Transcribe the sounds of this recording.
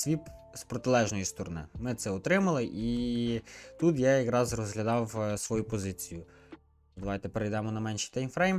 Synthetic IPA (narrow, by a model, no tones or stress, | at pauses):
sʲʋʲip | spɾɔt̪ɪlˠɛʒnɔjist̪ɔɾɔnɪ̰mɪt̪sɛɔt̪ɾɪmɐlˠɪʔi | t̪ut̪jajɐkɾɑzrɔzɦlʲɐd̪ɑwsʋɔjupɔzɪt͡sʲijʊ | d̪ɐʋɑjt̪ɛpeɾejd̪ɛmɔnɐmɛnʲʃi̥t̪ɛjmfɾejm